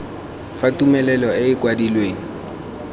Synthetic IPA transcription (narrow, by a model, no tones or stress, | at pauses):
fatʼumɛlɛlɔɪɪkʼwadilweːŋ̩